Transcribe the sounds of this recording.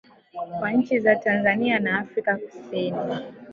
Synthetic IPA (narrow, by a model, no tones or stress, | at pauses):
kwaɲ̩t͡ʃizatanzanianaːfɾikaku̥sini